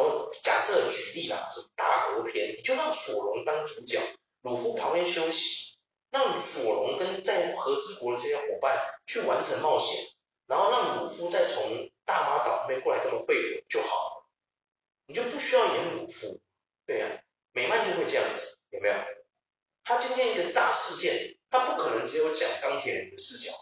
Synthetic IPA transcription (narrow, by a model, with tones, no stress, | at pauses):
t͡ɕja̰˨˩sɤ˥˩də˩t͡ɕy˨˥li˥˩lɐ̰˨˩ʂə˥˩ə˧t̪a̰˥˩kwɔ˧˥pʰjɛ˧˥nni˨˩t͡ɕjo˥˧ʊɻɑ˥˩ŋswɔ˨˩lʊ˧˥ŋt̪ɑ˥ŋt͡sʰu˥t͡ɕjɑ̰˨˩˦ŋ | lu˨˩fu˥pʰɑ˧˥ŋpjɛ˥nɕjo˥ʊɕi̥˧˥˦ | ɻɑ˥˩ŋ˨˩swɔ˨˩lʊ˧˥ŋkə˦˥nt͡sa˥˩ɪ˨˩xɤ˧˥t͡sɹ̩˥kwɔ˧˥d̪ə˧ʈ͡ʂɤ˥˧˩jɛ˥nxwɔ˨˩˦pa˥˨nt͡ɕʰy˥˩wa˧˥nʈ͡ʂʰə˧˥ŋmɑ˥˩ʊɕjɛ̰˨˩˦n | na˧˥nxo˥˧ʊɻɑ˥˩ŋlu˨˩fu˥t͡sa˥˩ɪt͡sʰʊ˧˦˥ŋt̪a˥˩fa˥t̪ɑ˨˩˥mjkwɔ˥˩a˧˥kə˥nwə˨˩xwe˥˩ɪ˨˩˦t͡ɕjo˥˩ʊxɑ˨˩ʊlə˦ | ni˨˩t͡ɕjo˥˧ʊpu˥˩ɕy˥jɑ˥˧ʊi˧˥˩jɛ˧˥nlu˨˩fṵ˥ | t̪we˥˩e˨˩jɑ̰˨˩ | me˨˩ɪma˥˧nt͡ɕjo˥˧ʊxwe˥˧ʈ͡ʂjɑ̰˥˩ŋd͡zɹ̩˨˩jo˨˩me˧˥jo˨˩ | t̪ʰa˥t͡ɕi˥nt̪ʰjɛ˥˧ni˥ɡə˨t̪a˥˧ʂɻ̩˥˧t͡ɕjɛ˥˩nt̪ʰa˥pu˥˩kʰɤ˨˩nə˧˥ŋt͡sɻ̩˧˥jo˧˥ʊt͡ɕjɑ̰˨˩ŋkɑ˥ŋt̪ʰjɛ˨˥nɻə˧˦nd̪ə˨ʂɻ̩˥˧t͡ɕjɑ̰˨˩˦